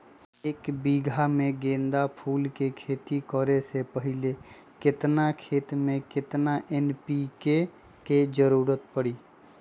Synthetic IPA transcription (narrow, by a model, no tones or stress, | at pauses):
eːkbiːɡʱamẽɡẽːnd̪apʰuːlkekʰeːt̪ikɔɾesepəɦɪle | kɪt̪nakʰeːt̪mẽkɪt̪naʔenpike | ked͡ʒəɾuːɾət̪pəɽiː